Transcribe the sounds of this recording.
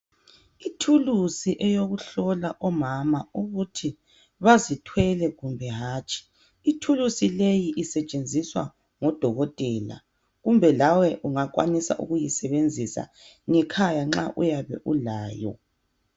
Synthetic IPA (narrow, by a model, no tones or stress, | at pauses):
itʰulusiʔɛjoɣuɬɔlaʔɔmamauɣutʰi | βazitʰwɛlɛɣumbʱɛɦaːt͡ʃʼi̥ | itʰulusilejiʔːsɛt͡ʃʼend͡zʱiswa̰ | ŋɔd̥ʱɔɣɔtʼɛla̰ | ɣumbʱɛlawɛʔuŋak̬ʼwa̰nisa̰ʔṵɣujisɛβend͡zʱisa̰ | ŋɛkʰajaŋ͡ǁa̰ʔujaβɛ̰ʔulaːjɔ̰